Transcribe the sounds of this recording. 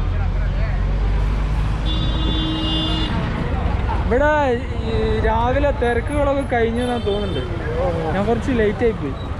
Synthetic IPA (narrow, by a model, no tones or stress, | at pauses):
iʋiɽe | ɾaːʋilet̪erɐkːuɣɐɭokːekɐɻiɲːɨnaːnt̪o̞ːnːuɳɖɨ | ɲaːkurɐt͡ɕːɨlejtːaːjipːoːi